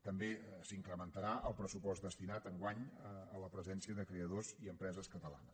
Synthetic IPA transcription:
t̪əmbesiŋkɾəmənt̪əɾaʔəlˠpɾəsupɔzt̪d̪əst̪inat̪əŋɡwaɲəələpɾəzɛnsiəðəkɾeəðoziəmpɾɛzəskət̪əlˠa̰nəs

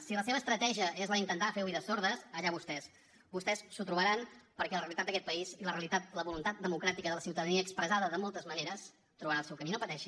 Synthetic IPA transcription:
siləs̬eβəːst̪ɾət̪ɛʒiəezləint̪ənt̪afewiðəsoɾðəsəʎaβust̪ɛs | bust̪ɛsːut̪ɾuβəɾanpəɾkɛləɾreəlit̪ad̪̚əkɛt̪̚pəiziləreəlit̪at̪̚ləβulunt̪at̪̚d̪əmukɾat̪ikəðələsiwt̪əðəniəːkspɾəzaðəðəmolˠt̪əzməneɾəs | t̪ɾuβəɾaəlˠsɛwkəminopət̪ɛʃi

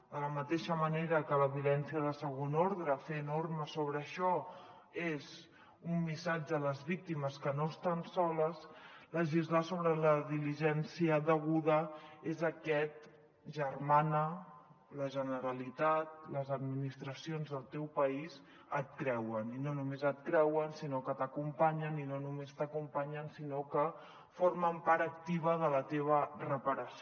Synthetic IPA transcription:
d̪ələmət̪eʃəməneɾəkələβjulɛnsiəðəsəɣonoɾðɾəfenorməsoβ̞ɾəːʃɔ | ez | umːisad͡ʒələzβik̚t̪iməskənoəst̪ansɔləsləʒizlasoβɾələðiliʒɛnsiəðəɣuðəezəkɛt̪̚ | ʒərmanə | ləʒənəɾəlit̪at̪̚ləzəd̪minist̪ɾəsionzðəlˠt̪ɛwpəiz | ət̪̚kɾɛwəninonumezət̪̚kɾɛwənsinokət̪əkumpaɲəninonumest̪əkumpaɲənsinokə | forməmpaɾək̚t̪iβ̞əðələt̪eβ̞ərəpəɾəs

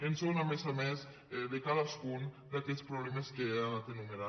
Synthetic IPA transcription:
ensonamesamez | d̪ekalaskun | d̪akespɾoβlemeskeamat̪enumeɾa

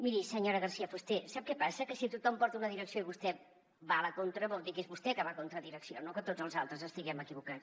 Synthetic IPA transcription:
miɾisəɲoɾəɣərsiəfust̪esap̚kɛpasəkəsit̪ut̪ɔmpɔɾt̪unəðiɾəksioiβust̪ɛ | baləkont̪ɾəβɔlˠd̪ikezβust̪ɛkəβakont̪ɾəðiɾəksionokət̪od͡zəlˠzalˠt̪ɾəzəst̪iɣɛməkiβukat͡s

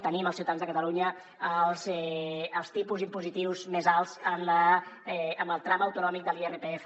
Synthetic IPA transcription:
t̪əniməlˠsiut̪aanzðəkət̪əluɲə | əlˠzɛəlˠst̪ipuzimpuzit̪iwzmezalˠzəmləɛəməlˠt̪ɾaməwt̪unɔmik̚d̪əlierepeefə

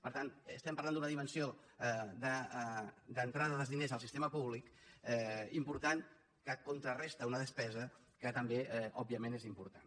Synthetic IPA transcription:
pəɾt̪anst̪ɛmpɐɾland̪unəðimənsioðə | d̪ənt̪ɾaðəðəzðinezəlˠsist̪eməpuβ̞likɛimpuɾt̪an | kəkunt̪ɾərest̪əunəðəspɛzə | kət̪əmbeɛʔɔbiəmenezimpuɾt̪an

